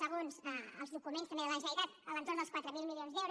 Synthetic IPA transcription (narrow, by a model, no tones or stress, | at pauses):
səɣ̞onzəəlˠzðukumẽnst̪əmeðələʒəit̪at̪ələnt̪oɾnd̪əskwat̪ɾəmilˠmilionzðɛwɾ